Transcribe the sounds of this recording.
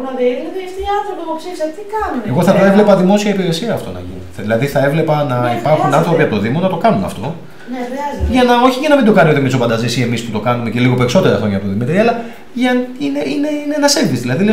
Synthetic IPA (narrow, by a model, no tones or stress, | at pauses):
nɐðeiɾniðiɐst̪iɐnθɾopioksisɐt̪ikɐnumeɣo̞θɐt̪evle̞pɐðimo̞siɐipiɾe̞siɐːft̪o̞̰nɐ̰ʝḭn | ðilɐðiθɐe̞vle̞pɐnɐipɐɾxunɐnθɾo̞piɐp̚t̪oðimo̞nɐt̪o̞kɐnunɐ̰ft̪o̞ | neɐzʝɐnɐo̞çiʝɐnɐmind̪o̞kɐnio̞t̪imisofɐnd̪ɐzisie̞misput̪o̞kɐnume̞ce̞liɣo̞pe̞ɾiso̞t̪e̞ɾɐ̰xɾo̞ɲɐpt̪oðimit̪eɾiɐlɐ | ʝɐineʔineinenɐse̞ɱvizðilɐðili